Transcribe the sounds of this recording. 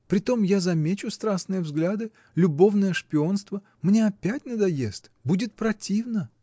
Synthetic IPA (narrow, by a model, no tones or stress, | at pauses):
pɾʲɪt̪o̞mjazɐmʲet͡ɕʊst̪ɾasnɨjəvzɡlʲad̪ɨ | lʲʊbo̞vnəjəʂpʲɪo̞nst̪və | mnʲe̞ɐpʲætʲnəd̪ɐjest̪budʲɪt̪̚pɾɐtʲivnə